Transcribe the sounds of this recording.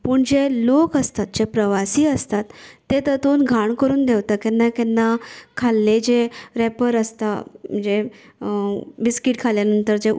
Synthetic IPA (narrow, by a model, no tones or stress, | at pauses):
pəːɳd͡ʑelokəst̪at̪̚d͡ʑepɾəʋasiːəst̪at̪ːet̪ət̪onɡʱaɳkəɾuːnd̪eʋt̪akɛnːakɛnːakʰalːed͡ʑeɾɛpəɾəst̪am̤əɳd͡ze | biskiʈkʰaljanənt̪əɾd͡ʑe